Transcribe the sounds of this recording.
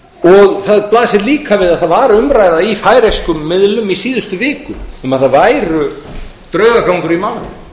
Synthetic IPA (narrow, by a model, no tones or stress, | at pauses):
ɔɣθaðplaːðsɪliːkavɪðaðθaðvaːɾʏʏmɾajðaifaːjɾejskʏmːɪðlʏmisiːðʏst̪ʏvɪːkʏʏmaðθaðvaːjɾʏ | t̪ɾœːɥɣakawŋkʏɾimawlɪ